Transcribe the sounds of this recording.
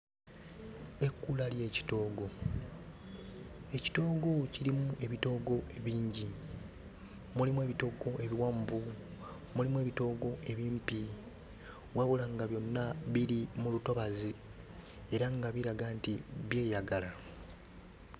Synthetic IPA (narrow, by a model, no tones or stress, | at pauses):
e̞kːulalje̞ːci̥to̞ːɡo̞ | e̞ci̥to̞ːɡo̞ciɾimuue̞βito̞ːɡo̞ʔe̞βiːɲɟi | mulimuwe̞ːβito̞ɡo̞ʔe̞βiwaːmbu | mulimue̞βito̞ːɡo̞ʔe̞βiːmpi | waβulaŋɡaβjo̞nːaβiɾimuluto̞βazi | e̞ɾaŋɡaβiɾaɡantiβje̞ːjaɡala